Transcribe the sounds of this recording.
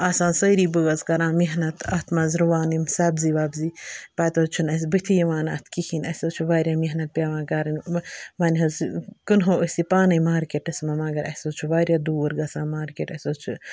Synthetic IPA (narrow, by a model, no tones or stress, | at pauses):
aːsãːnsəːɾiːbəɡɐzkɐɾãːmiɦnɐt̪ʰɐt̪ʰmɐzɾuʋaːnimsaːbziʋaːbzipaːt̪oːt͡ʃʰunɐs̬bɨt̪ʰijɐʋaːnɐ̰t̪ʰkikʰinɐsʲoːt͡ʃʰuʋaːɾʲjamʲiɦnɐt̪̚pʲaːʋãːkaːɾɐnmaːnʲɦɐzkɨnɦoːəsipaːnɐjmaːɾkeʈɐsmɐmɐɡɐɾʔɐ̰soːt͡ʃʰuʋaːɾjaːd̪uːɾɡɐsãːmaːɾkeːʈɐsoːt͡ʃʰu